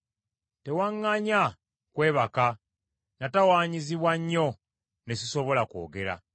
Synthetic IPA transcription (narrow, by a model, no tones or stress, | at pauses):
te̞waŋːaɲa | kwe̞ːβaka | natawaːɲiziβwaɲːo̞ | nesiso̞βo̞lako̞̰ːɡe̞ɾa̰